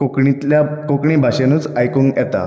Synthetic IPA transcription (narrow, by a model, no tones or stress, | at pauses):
okɳit̪ljakokɳiːbʱaɕenuːt͡sajkuŋɡjɛt̪a̰